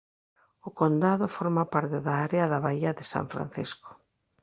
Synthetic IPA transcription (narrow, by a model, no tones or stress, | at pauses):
ʊkond̪aðʊfɔɾmapaɾt̪ɪðaaɾeɐðɐβaiɐðɪsa̰ɱfɾa̰n̟θḭskʊ̥